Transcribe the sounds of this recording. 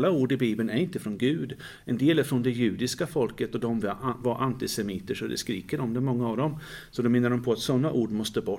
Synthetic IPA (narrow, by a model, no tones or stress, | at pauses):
lːauːɖɪbiːbənæɾɪnt̪əfɾɔnɡʉ̟ːd̪ | ɛnd̪eːlæɾfɾɔnd̪ɛjʉ̟ːd̪ɪskafɔlkət̪ɔd̪ɔmvvaɾʔant̪ɪsɛmiːt̪əʂɔd̪ɛ̰skɾḭːkəɖɔmd̪ɛmɔŋːaːvd̪ɔmsɔd̪ɔmɪnːaɖɔmpʰɔat̪sɔnːaʔuːɖmɔst̪əbɔ